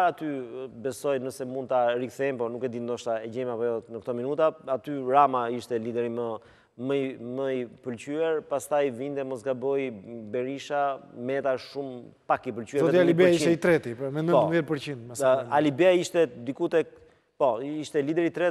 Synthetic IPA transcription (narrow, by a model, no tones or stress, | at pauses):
aat̪ybɛsɔjnəsɛmund̪t̪aɾikθɛmpɔnukɛd̪ind̪ɔʃt̪aɛd͡ʑɛmapɔjɔnək̚t̪ɔminut̪aat̪yɾamaiʃt̪ɛlid̪ɛɾimə | məməipəlt͡ɕyɛɾpast̪ajvind̪ɛmɔsɡabɔjbɛɾiʃamɛt̪aʃːum | pakipəlt͡ʃyɛɾɔɛialibɛiʃiɛit̪ɾɛt̪ipmɛnəpɔðjɛt̪̚pəɾt͡ɕind̪mɛsalibɛaiʃt̪ɛd̪ikut̪ɛk̚ | pɔiʃt̪ɛlid̪ɛɾit̪ɾɛ